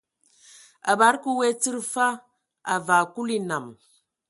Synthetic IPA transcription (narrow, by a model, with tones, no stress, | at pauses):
a̰˨ba˨˦ɾku˦we˦t͡sɨ˦ɾfa˦ | a̰˨va˨ku˦li˦na˨m